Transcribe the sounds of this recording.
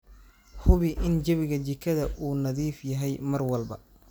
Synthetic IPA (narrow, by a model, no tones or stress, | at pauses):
hʊβɪʔɪnd͡ʒɐβɪɣɐt͡ʃɪkʰːɐðɐʔuːnɐðiːfjɐɦɛjmɐrwɐlbɐ